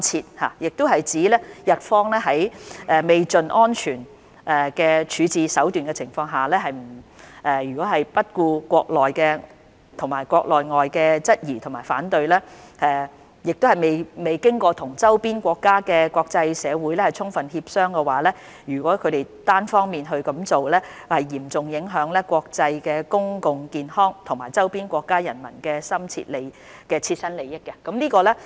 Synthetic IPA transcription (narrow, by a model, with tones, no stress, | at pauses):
t͡sʰiː˧t̚ha̰ː˨jɪ˨k̚t̪ʊ˥wɦɐ˨jt͡siː˨˥lɛː˥jɐ˨t̚fɔː˥ŋlɛː˥ɦɐ˨˥jɛː˨me˨˩jt͡sɵ˨nʔɔː˥nt͡ʃʰyː˨˩n | ʔɛ˨˩kɛː˧t͡ʃʰyː˨˧t͡siː˨˧sɐ˨˥wt̪yː˨nkɛ˧t͡sʰɪ˨˩ŋfɔː˧ŋɦaː˨lɛː˥ɦɐ˨jm̩˨˩ʔɛː˨jyː˨kʷɔː˨˥ɦɐ˨jpɐ˥t̚kuː˧kʷɔː˧k̚lɔː˨jkɛː˧ | t̪ʰʊ˨˩ŋmaː˨˩jkʷwɔː˧k̚lɔː˨jŋɔː˨jkɛː˧t͡sɐ˥t̚jiː˨˩t̪ʰʊ˨˩maː˨˩faː˨˥nt̪ɵ˧ɥlɛː˥ʔɛː˨˩ | jɪ˨k̚t̪o˥hɐ˨jme˨jme˨jkɪ˥ŋkɔː˧t̪ʰʊ˨˩ŋt͡sɐ˥wpiː˥nkʷɔː˧kːaː˥kɛː˧kʷɔː˧k̚t͡sɐ˧jsɛː˨˧wuː˨˥jlɛː˥hɐ˨˩jt͡sʰʊ˥ŋfɐ˨nhiː˧p̚sœː˥ŋkɛ˧waː˨˥lɛː˥ | jyː˨˩kʷɔː˨˥kʰɵ˨˧ɥt̪e˨jt̪aː˥nfɔː˥ŋmiː˨nɦɵ˧ɥkɐ˨˦mt͡so˨wlɛː˥hɐ˨jːiː˨˩mt͡sʊ˨ŋjɪ˨˥ŋɦœː˨˥ŋlɛː˥kʷɔː˧k̚t͡sɐ˧jkɛː˧kʊ˥ŋkʊ˨ŋkiː˨nhɔː˥ŋt̪ʰʊ˨˩ŋmaː˨˩jt͡sɐ˥wpiː˥nkʷɔː˧kːaː˥jɐ˨˩nmɐ̰˨˩nkɛː˧sɐ˥mt͡sʰḭ˧t̚le˨˧j | kɛː˧t͡sʰiː˧t̚sɐ˥nle˨˧jɪ˥kːɛ˧kɐ˨˥mliː˥kɔː˧lɛː˥